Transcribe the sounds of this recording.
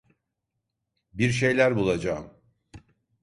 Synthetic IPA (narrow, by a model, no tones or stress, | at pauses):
biɾʃ̬e̞jlʲæɾbulˠad͡ʒaːɯm